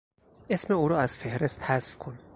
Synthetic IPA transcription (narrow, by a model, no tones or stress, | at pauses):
ʔe̞sme̞uːɾɒːæz̥fe̞hɾe̞st̪hæzfkʰon